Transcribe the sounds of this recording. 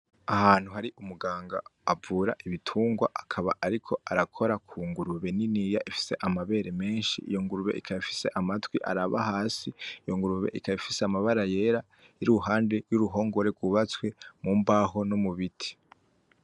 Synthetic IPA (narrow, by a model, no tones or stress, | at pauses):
ahaːn̥huɦaɾiʔumuɡaːŋɡa̰ːvuːɾa̰ʔiβitʰuːŋɡwa̰ʔakʰaβaʔaɾikʰo̞aɾakʰo̞ɾakʰuːŋɡuɾuβe̞ninijaʔifi̥se̞ʔamaβe̞ːɾe̞me̞ːnʃḭʔḭjo̞ŋɡuɾuβe̞̰ikʰajifi̥se̞ʔamatwiʔa̰ɾaβa̰ɦaːsiijoŋɡuɾuβe̞̰ʔikajifiseamaβaɾaje̞ːɾa | iɾuɦaːnde̞juɾuɦo̞ːŋɡo̞ɾeɡwuβat͡swe̞muːmbaɦo̞nomuβitʰi̥